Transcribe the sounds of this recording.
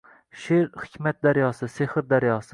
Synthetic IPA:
ʃeɾhɪ̥kʰʲmat̪̚d̪aɾjɒsɪsehɨɾd̪aɾjɒsɪ

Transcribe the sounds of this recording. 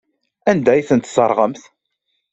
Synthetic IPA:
ænd̪æjθənt̪səɾˤʁəmθ

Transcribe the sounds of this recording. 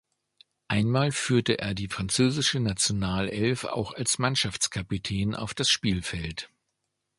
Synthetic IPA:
ʔaɪnmaːlfyːɐtəʔḛːɐdiːfʁ̥ant͡søːzɪʃənat͡sjonaːlɛlfa̰ʊxalsmanʃaft͡skʰapitʰɛːnʔa̰ʊfd̥asʃpiːlfɛlt

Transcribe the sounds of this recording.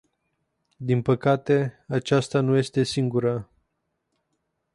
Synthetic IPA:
d̪inpəkat̪e̞at͡ʃast̪anuje̞st̪e̞siŋɡuɾa

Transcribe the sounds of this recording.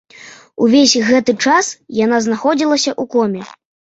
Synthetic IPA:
uvʲesʲɣɛt̪ɨt͡ʂasjan̪aznaxɔd͡zʲilˠɐsʲɐʔukɔmʲɛ

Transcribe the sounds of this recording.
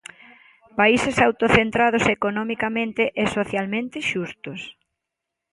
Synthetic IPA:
paisesawt̪oθent̪ɾað̞ʊsekonɔmikamẽnt̪eʔɛsoθjalmẽnt̪ɪʃust̪ʊs

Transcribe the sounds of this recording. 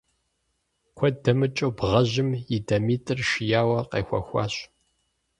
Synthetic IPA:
kʷʰɔdɐmɨt͡ʃʼowbʁɐʑɪmjidɐmiːtʼɨrʃɪjaːwɐqḛːxʷɐ̰xʷɑ̰ːɕʼ

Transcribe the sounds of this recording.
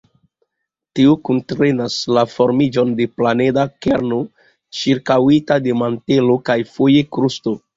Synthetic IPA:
tiukuntɾe̞naslafo̞ɾmid͡ʒo̞nde̞plane̞dakeɾno | t͡ʃiɾkawitademante̞lo̞kajfoje̞kɾusto̞

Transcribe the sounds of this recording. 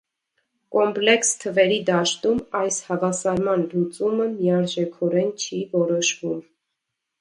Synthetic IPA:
kɔmplɛkst̪ʰəvɛɾid̪ɑʃt̪umɑjshɑvɑsɑɾmɑnlut͡suməmiɑɾʒɛkʰɔɾɛnt͡ʃʰivɔɾɔʃvum

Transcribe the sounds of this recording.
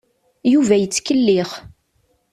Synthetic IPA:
juvæjət͡sːkəlːɪχ

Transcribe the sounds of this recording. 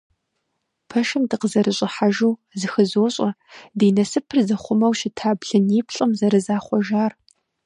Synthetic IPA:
pʰɐʃɨmdɨqəzɐɾɨɕʼɪħaʒuːzɨxɨzoːɕʼɐdiːnɐsɨpʰɨrzɐχʷʊmɐwʃɪtʰaːbɮɨniːpʰɬʼɨmzɐɾɨzaːχʷɔʒaːr

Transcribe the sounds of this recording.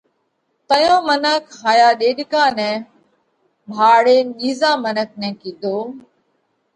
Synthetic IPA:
t̪əjõːmənəkɦaːjaːɗeːɗkãːnɛ̃ː | bʱaːɽeːɗiːzãːmənək̚nɛ̃ːkĩːd̪ʱoː

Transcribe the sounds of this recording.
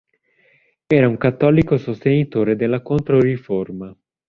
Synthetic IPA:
ɛːɾauŋkat̪ːɔːlikosost̪enit̪oːɾed̪elːakont̪ɾoriforma

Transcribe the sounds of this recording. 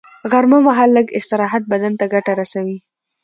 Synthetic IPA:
ɣaɾmomaɦɑlːəɡɪst̪ɪɾɑɦat̪̚bad̪ant̪aɡaʈaɾasawi

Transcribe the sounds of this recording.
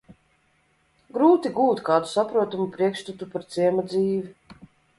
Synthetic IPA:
ɡɾuːt̪iɡuːt̪kaːd̪u̥sapɾuɔt̪umupɾiɛkʃt̪ut̪upaɾt̪siɛmad̪ziːvi

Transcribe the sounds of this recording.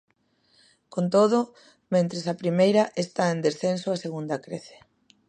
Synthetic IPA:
kont̪oð̞ʊ | mẽnt̪ɾesɐpɾimejɾɐʔest̪aend̪esθensoɐseɣund̪ɐkɾeθe̥

